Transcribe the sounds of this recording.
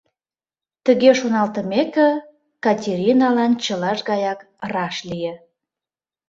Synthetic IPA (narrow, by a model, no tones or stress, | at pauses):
t̪əɣeʃonɑlt̪əmekə̆ | kɑtʲeɾʲinɑlɑnt͡ɕəlɑʃɣɑjɑk | rɑʃlije